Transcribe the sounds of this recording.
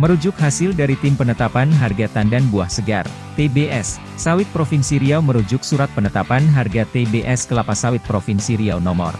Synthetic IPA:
məɾud͡ʒʊk̚ɦasɪldaɾit̪ɪmpənət̪apanɦarɡat̪andanbuahsəɡa̰r | t̪ebeʔɛsː | awɪt̪̚pɾofɪnsiɾiawməɾud͡ʒʊk̚suɾat̪̚pənət̪apanɦarɡat̪ebeʔɛskəlapasawɪt̪̚pɾofɪnsiɾiawnɔmɔ̰r

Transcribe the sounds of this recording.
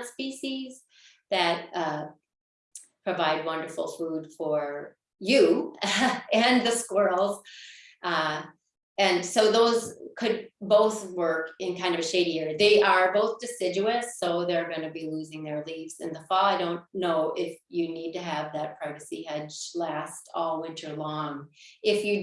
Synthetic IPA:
spiʃiz | ðɨt̚ʌ | pʰɹ̥ɨvaɪd̚wʌ̃ndə˞fl̩ˠfud̥fə˞ | jʉ | ɨ̃nðɨskwɜ˞lˠz | ɨ̃nsoʊðoʊzkʰɨd̚boʊθwɜ˞kɨ̃nkʰãɪ̃ndʌvɨʃeɪɾiɪɹðeɪʔə˞boʊθd̥ɨsɪd͡ʒʉɨsoʊðə˞ɡʌ̃ñɨbiluzɪ̃ŋðə˞livz̥ɨ̰̃nðəfɔaɪɾõʊ̃nːoʊʔɪfjɨnid̚tɨːvðɨt̚pʰɹ̥aɪvɨsḭhɛd͡ʒlæstɔlˠwɪ̃nt͡ʃə˞lɔ̃ŋɪfjɨ

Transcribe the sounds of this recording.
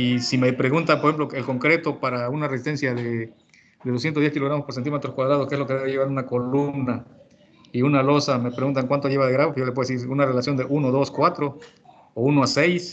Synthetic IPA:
isimepɾeɣunt̪apoɾexemploelko̞ŋkɾe̞t̪o̞paɾaunaresist̪e̞nsjaðe | d̪eðosjent̪oðjekiloɾamosposent̪imet̪ɾoskwaðɾaðoskezlo̞keðeeʝeβaɾunako̞lumna | iunalo̞same̞pɾeɣunt̪̬aŋkwant̪oʝeβaðeɣɾaβojolepeesiɾunarelasjo̞nd̪e̞ʔunoðo̞skwat̪ɾo̞ | ounoasejs

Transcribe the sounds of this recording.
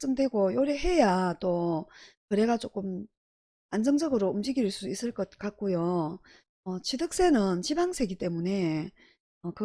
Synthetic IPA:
s͈ɯmdwe̞ɡojoɾeɦe̞jat͈okɯɾe̞ɡat͡ɕ͈ok͈ɯm | and͡ʑʌŋd͡ʑʌɡɯɾoumd͡ʑiɡiɭs͈uis͈ɯɭk͈ʌt̚k͈ak̚k͈ojo | ʌt͡ɕidɯk̚s͈e̞nɯnt͡ɕibaŋsʰe̞ɡit͈e̞mune̞ | ʌkɯ

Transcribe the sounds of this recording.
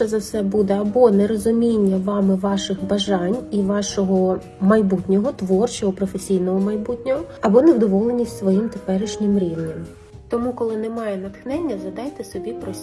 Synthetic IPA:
ɛzɐwsɛbud̪ɛɐbɔnɛɾɔzʊmʲinʲːɐʋɑmɪʋɑʃɪxbɐʒɑnʲiʋɑʃɔɦɔ | mɐjbutʲnʲɔɦɔt̪ʋɔrt͡ʃɔɦɔpɾɔfesʲijnɔɦɔmɐjbutʲnʲɔɦɔɐbɔnewd̪ɔʋɔlˠenʲːisʲtʲsʋɔjimt̪epɛɾɪʃnʲɪmɾʲiʋnʲɐm | t̪ɔmukɔlˠɪnɛmɑjɛnɐt̪xnɛnʲːɐzɐd̪ɑjt̪ɛsɔbʲipɾɔsʲ

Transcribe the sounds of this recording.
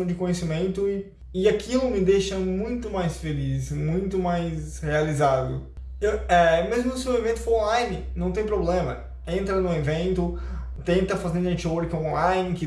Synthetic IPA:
ɐ̃w̃d͡ʒɪkõɲesimẽnt̪ʊɪ | ɪakʰilʊmɪd̪eʃɐmũj̃t̪ʊmajsfelismũj̃t̪ʊmajshealizad̪ʊ̰ | ewɛmezmʊsɪewevẽnt̪ʊ̥fooɾõlajnɪnɐ̃w̃t̪̬ẽj̃p̬ɾoblẽmɐ | ẽnt̪ɾɐnʊ̃evẽnt̪ʊ | t̪ẽnt̪ɐfazẽnd̪ʊẽt͡ʃowɾkõlãjnɪkɪ

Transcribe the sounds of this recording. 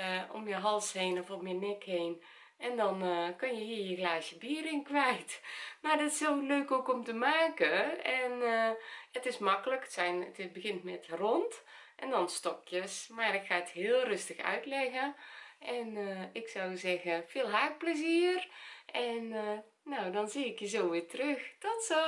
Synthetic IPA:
o̰mjəɦɔlˠsheːnɔfomjənɛkheːn | ʔɛndɔnkønjəɦiəjəxlaːsjəbiːərɪŋkʋɛjtmardɔtɪ̥soløːkoːkɔmtəmaːkəɛn | ətɪsmɑkələkə̥tsɛjnətbəɣɪntmɛtrɔnt | ʔɛndɔnstɔkjəsmarɪkxaːəthɪəlˠrøstəxœ̰ɥtlɛɣəʔɛnɪksɔwzɛɣəfɪːlˠɦaːk̚pləziːərʔɛnː | owdɔnziːɪkjəzoːʋɪːtərøxd̥ɔtso

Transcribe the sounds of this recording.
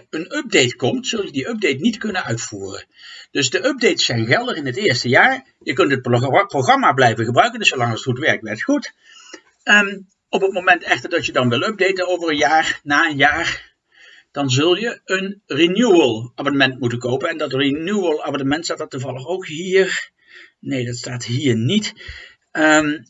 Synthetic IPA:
ənɵb̚dejtkɔmtsɵlˠjədiʔøp̚dejtnitkɵnənœɥtfuːrə̰n | d̥ɵsdəʔɵb̚dejtsɛjnɣɛlˠdəχɪnətɪːɹstəjaːɹ | jəkɵntɦət̚pproχɑmaːblɛjvəχɣəbrœɥkəndɵsolɑŋətχutʋɛɹk̚tʋɛɹtχutː | ɔpət̚momɛntɛχtəɹdɑtjədɑnʋɪlˠɵp̚dejtənowvərənjaːɹnaːənjaːr | d̥ɑnzɵlˠjəənrinjuəlˠaːbənəmɛntmutənkowpənɛndɑtrinjuəlˠaːbənəmɛntstaːdɑtːuvɑlˠəχowkɦiːɹ | nejdɑtstaːtɦiːɹnit | əm

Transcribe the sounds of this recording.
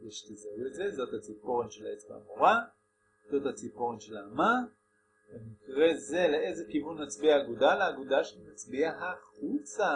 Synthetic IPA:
veʃe̥t̪ezauezezo̞t̪hat͡sipo̞ʁenʃelaet͡sba̰a̰moʁa | z̥o̞t̪hat͡sipoʁenʃelama | venikʁe̞ze̞leezekivunmat͡sbiaːɡudaleaɡudaʃemat͡sbiahaχut͡sa

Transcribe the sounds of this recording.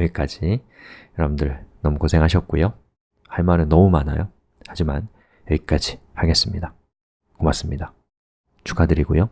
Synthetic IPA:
jʌik͈ad͡ʑi | jʌɾʌbɯndɯɭnʌmukosʰe̞ŋɦaɕ̬ʰʌt̚k͈ujo | haɭmaɾɯnːʌmumana̰jo | had͡ʑiman | jʌɡik͈ad͡ʑihaɡes͈ɯmɲida | komas͈ɯmɲida | t͡ɕʰu̥kʰadɯɾiɡojo

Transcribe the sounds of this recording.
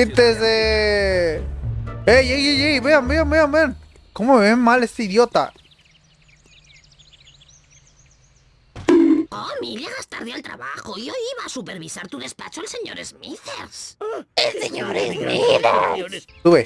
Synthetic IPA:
it̪eze | ejejejejβeanbeanbeanbean | komomeβenmalest̪eiðjot̪a̰ | omiʎaɣast̪aɾðialt̪ɾa̰βaxoiojiβaːsupeɾβisaɾt̪uðespa̰t͡ʃoalseɲoɾḛzmiθeɾseseɲoɾezmia̰ | uβe

